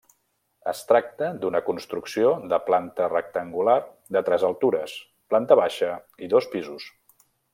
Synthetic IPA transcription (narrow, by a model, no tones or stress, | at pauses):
ə̰st̪ɾak̚t̪əd̪unəkunst̪ɾuksioðəplant̪ərək̚t̪əŋɡular | d̪ət̪ɾɛzəlˠt̪uɾəs | plant̪əβaʃəiðospizus